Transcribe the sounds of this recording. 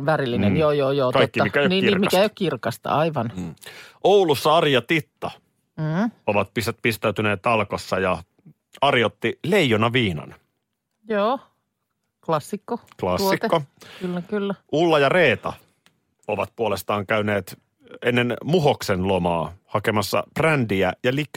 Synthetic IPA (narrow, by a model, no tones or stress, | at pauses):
ʋæɾilːinenjoːjoːjoːkɑikːiɑmikːæjoniːirmikæeijokirkɑst̪ɑ̰ɑiʋɑnːʔoulusːɑɑrjɑt̪it̪ːɑ | oʋɑt̪̚pispist̪æyt̪yneːt̪ɑlkosːɑjɑ | ɑrjot̪ːileijonɑʋiːnɑ̰n | joː | klɑsːikːoklɑssːikːokylːækylːæʔulːɑjɑreːt̪ɑ̰ | oʋɑt̪̚puolest̪ɑːŋkæyneːt̪ | enːenmuɦoksenlomɑːhɑkemɑsːɑ̰prændiæjɑlik